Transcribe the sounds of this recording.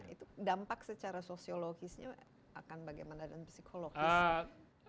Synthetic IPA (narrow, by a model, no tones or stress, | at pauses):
ḭt̪udampaksət͡ʃaɾasosioloɡisɲa̰ | a̰kanbaɡajmanadanpsikʰoloɡ